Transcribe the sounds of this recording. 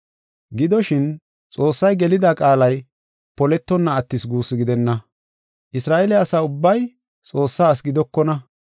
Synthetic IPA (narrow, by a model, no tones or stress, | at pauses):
ɡɪd̪ɔʃɪn | t͡sʼo̞ːsːɐjɡɛlɪd̪akʼaːlɐj | pɔlɛt̪ːɔnːɐːt̪ːɪsɡuːsːɪɡɪd̪ɛnːɐ | ʔɪsɾaːʔɛlɛɐsaːʊbːɐj | t͡sʼo̞ːsːaːs̬ɡɪd̪ɔkːɔnɐ